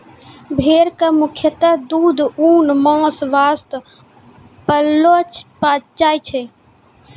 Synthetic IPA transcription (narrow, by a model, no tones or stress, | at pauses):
bʱeːɾkamukʰjət̪əd̪uːd̪ʱuːnmɔ̃ːsʋaːst̪ | pəlːopat͡ʃaːjt͡ʃʰe